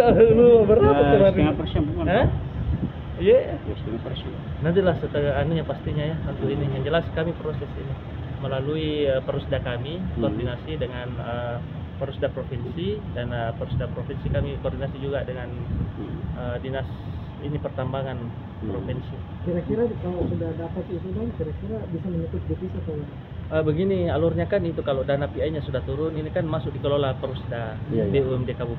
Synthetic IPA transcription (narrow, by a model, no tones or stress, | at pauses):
aluabəɾap̪at̪ət̪apiapəsbukaə | jasiŋapərs | nant̪ilahsət̪əanuɲapast̪iɲajaunt̪uinijand͡ʒəlaskamipɾosɛsḭni | məlaluiəpərusdakamikordinasidəŋanə | pəɾusdapɾofinsidanəpəɾusdapɾofinsikamikordinasid͡ʒuɡadəŋan | əːdinas | inipərt̪ambaŋan | pɾofinsi | kiɾakiɾakalosudadapat̪it̪ubankiɾakiɾabisaməɲikʊt̪̚difisat̪ua | ʔəbəɡinialurɲakanit̪ukalodanapiajɲasudaht̪uɾʊninikanmasʊk̚dikəlolapəɾusdabeuɛmdekabu